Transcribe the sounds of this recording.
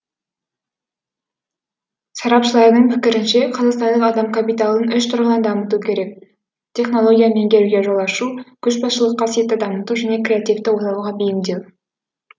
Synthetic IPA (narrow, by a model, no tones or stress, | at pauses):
sɑɾɑpʃəlˠɑɾənəɴpʰɪkʲɪɾɪnʃe̞qʰɑzɑqst̪ɑnd̪əqɑd̪ɑmkʰapijt̪alˠənʏʃt̪ʰʊɾʁənɑnd̪ɑmət̪ukʲʰe̞ɾe̞k̚ | t̪ʲʰe̞χno̞lˠo̞ɡʲijame̞ŋɡʲʰe̞ɾuɡʲeʒolˠɑʃukʲʰʏʃbɑsʃəlˠəqːɑsije̞t̪ːɪd̪ɑmət̪uʒæne̞krʲe̞at̪ijft̪ɪwot̪ɑwʁɑbejɪmd̪ew̪